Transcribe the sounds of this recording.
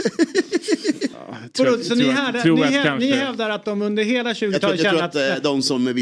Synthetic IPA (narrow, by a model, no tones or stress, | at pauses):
ɔusɔnɪhɛd̪anhɛnɪɦɛvd̪aɾat̪̚d̪ɔmɵnd̪əɾɦeːlaɕʉ̟ːɡt̪ʰɑːɛɾuat̪d̪ɔmsɔmvɪ